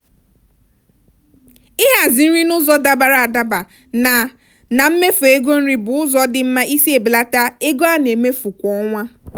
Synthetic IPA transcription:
ɪ˦ɦa˨zɪ˨n̩˦ɾi˦nʊ˦zɔ˦da˨ba˨ɾa˨a˨da˦ba˨ | na˨ | na˨m̩˦me˦fe˦ɡo˦n̩˦ɾi˦bʊ˨ʊ˦zɔ˦dɪ˦m̩˦ma˦i˦si˦e˨bi˨la˦ta˦e˦ɡo˦a˦ne˨me˦fu˨kʷɔ˦ŋʷa˦

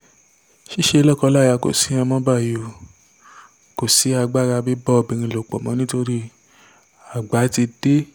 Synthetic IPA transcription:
ʃi˦ʃe˧lɔ˦kɔ˧la˦˨ja˧˨ko̰˨si˨˦ã˧mɔ̃˦ba˦˨jo˨ | ko˨si˨˦a˧ɡ͡ba˦˨ɾa˧bi˦bɔ˦˧˨bi˧ɾ̃ĩ˧˨lo˨k͡po̰˨mɔ̃˨˦nĩ˦to˧ɾi˦ | a˨ɡ͡ba˨˦ti˧d̥e˦

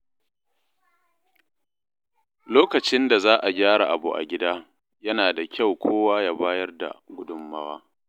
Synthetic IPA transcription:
loː˦kɐ˨t͡ʃɪ˦nda˨zaː˦ʔa˨ɡʲaː˦ɾa̰˨ʔa˨bṵ˨ʔa̰˨ɡʲɪ˦daː˦ | jɐ˦naː˨da˨kʲa˦˨wkʷʰoː˦waː˦jaː˦baː˦jɐ˦rda̰˨ɡʷʊ˦dʊ˦˨mːɐ˦waː˦

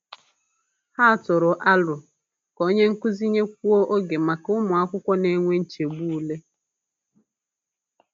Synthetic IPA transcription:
ha˦˨tʊ˨ɾʊ˨ʔa˦lʊ˨ | ko˦ɲe˦ŋ̩˦kʊ˦zi˦ɲe˦k̚ʷu˦o˦ʔo˦ɡe˨ma˨kʊ˦mʊ˨a˦kʷʊ˦kʷɔ˦ne˨˦ŋʷe˦n̩˦t͡ʃe˨ɡ͡bu˦u˨le˦

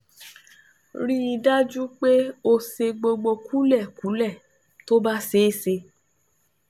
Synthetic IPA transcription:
ɾĩ˦i˧da˦d͡ʒu˦k͡pe˦o˧se˧ɡ͡bo˧ɡ͡bo˧kʰu˦lɛ˦˨ku˨˦lɛ˦˨ | to˦ba˦se˨˦se˧

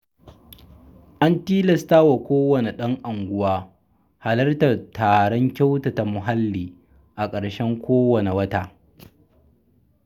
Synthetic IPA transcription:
ʔa˦ntiː˦lɐ˨staː˦wa˨kʷoː˦wɐ˨ne˨ɗɐ˦ŋʔa˨ŋɡʷʊ˦waː˦ | ha˨lɐ˦rta˨tʰaː˨ɽɔ˦ŋkʲa˦wta˨ta˨mʊ˨ɦa˦lːiː˨ | ʔa˨kʼɐ˨ɽʃɛ˦ŋkʷoː˦wɐ˨ne˨wɐ˦taː˦˨

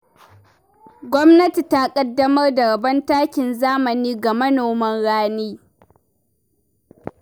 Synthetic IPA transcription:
ɡʷɔ˦mnɐ˦ti˨ta˦kʼɐ˦dːɐ˦mɐ˦rda˨ɾɐ˨bɐ˦ntaː˦kʲɪ˨nzaː˦mɐ˨niː˦ɡa˨mɐ˦noː˨mɐ˦nɽaː˦neː˦

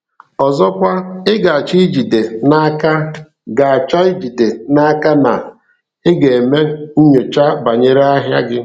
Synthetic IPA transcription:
ɔ˨zɔ˦kʷa˦ɪ˦ɡa˨a˨t͡ʃi˦d͡ʒi˨de˨na˦a˦ka˦ | ɡa˨a˨t͡ʃa˦i˦d͡ʒi˨de˨na˦a˦ka˦na˨ | ɪ˦ɡe˨e˨me˦n̩˦ɲʊ˨t͡ʃa˦ba˨ɲe˦ɾa˦ɦja˦ɡɪ˦

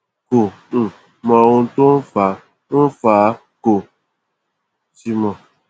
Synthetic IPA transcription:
ko˨ | mã˨o˧n̩˦to˦n̩˦fa˨˦ | n̩˦fa˨˦ | ko˨ | si˦mã˨

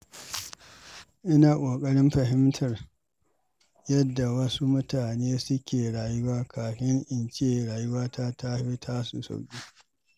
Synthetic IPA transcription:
ʔɪ˦naː˨kʷʼoː˨kʼɐ˦ɽɪ˦mɸɐ˨ɦɪ˦mtʰɐ˨r | jɐ˦dːa˨wɐ˦su˦mʊ˦taː˨neː˦sʊ˦kʲeː˨ɽaː˨jʊ˦waː˦kʰaː˨ɸɪ˦ŋʔɪ˨nt͡ʃeː˦ɽaː˨jʊ˦waː˦tʰa˦ta˦ɸi˦tʰaː˦sṵ˨sa̰˨wkʲʼiː˦

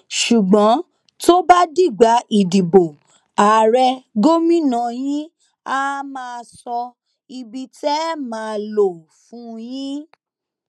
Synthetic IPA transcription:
ʃu˨ɡ͡bɔ̃˨˦ | to˦ba˦di˦˨ɡ͡ba˨˦i˨di˨bo˨ | a˨ɾɛ˧ɡo˦mĩ˦nã˧˨j̃ĩ˦ | a˦mãː˦˧sɔ˧ | i˧bi˧tɛ˦mãː˨˦˧lo˦˨ | fũ˨˦j̃ĩ˦

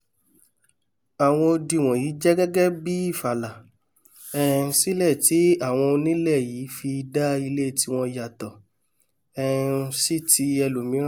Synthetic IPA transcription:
a˨w̃ɔ̃˧o˧di˧˨w̃ɔ̃˨ji˨˦d͡ʒɛ˦ɡɛ˦ɡɛ˦bi˦i˦˨fa˨la˨ | ɛ˦˨si˦lɛ˦˨ti˨˦a˦˨w̃ɔ̃˧o˧nĩ˦lɛ˦˨jiː˨˦fi˧da˦i˧le˦˨ti˨˦w̃ɔ̃˧ja˨tɔ˨ | ɛ˦˨˧si˦ti˧˦ɛ˧lu˨mĩ˨˦

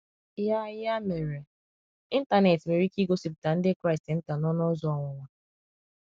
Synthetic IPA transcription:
ja˦ja˦me˨ɾe˨ | i˦n̩˦ta˨ne˨tme˨ɾi˦ki˦ɡo˦si˨p̬̚ta˨n̩˦dɪ˦kɾa˦ɪ˨stɪ˨n̩˦ta˨nɔ˦nɔ˦zɔ˨˦ɔ˨ŋʷɔ˨ŋʷa˨

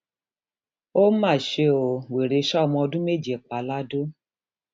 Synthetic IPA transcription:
o˦mã˦˨ʃe˧˦o˨we˨ɾe˧˦ʃa˦ɔ˧mɔ̃˧ɔ˧dũ˦me˦˨d͡ʒe˨k͡pa˨la˦do˦

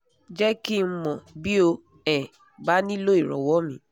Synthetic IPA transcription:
d͡ʒɛ˦ki˦˧˦mɔ̃˨bi˦o˧ | ɛ˨ | ba˦nĩ˦lo˦i˨ɾɔ̰˨wɔ˦mĩ˨˦

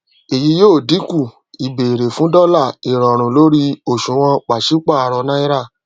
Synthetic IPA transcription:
e˨ji˧˦joː˦˨di˨˦ku˦˨ | i˨be˨ɾe˨fũ˨˦dɔ˦la˦˨i˨ɾɔ˨ɾ̃ũ˨lo˦ɾi˦o˨ʃũ˨˦w̃ɔ̃˧k͡pa˨ʃi˨˦k͡pa˦˨a˨˧ɾɔ˧nã˦i˦ɾa˦˨

